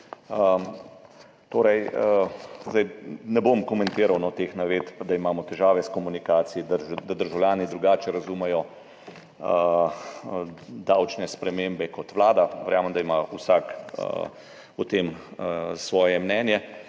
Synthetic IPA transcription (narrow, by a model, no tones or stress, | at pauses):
ə | t̪oːɾɛjəzd̪ajnɛbomkɔmɛnt̪eːɾawnɔt̪exnaʋeːt̪pad̪aimaːmɔt̪ɛʒaːʋɛskɔmunikaːt̪sijid̪əd̪ad̪əɾʒawlʲjaːnid̪ɾuɡaːt͡ʃɛɾɐzumɛjɔ | ə | d̪awt͡ʃnɛspɾɛmeːmbɛkɔt̪ʋlaːd̪aʋɛɾjaːməmd̪aimausak | ut̪eːm | sʋɔːjɛmnɛːnjɛ